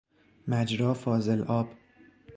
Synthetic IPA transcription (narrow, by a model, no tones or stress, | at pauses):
mæd͡ʒɾɒːfɒːzelʔɒːb̥